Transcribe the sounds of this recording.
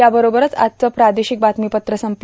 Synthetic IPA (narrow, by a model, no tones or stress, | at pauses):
jabəɾobəɾət͡sa̰t̪̚t͡səpɾad̪eɕik̚bat̪mipət̪ɾəsəmp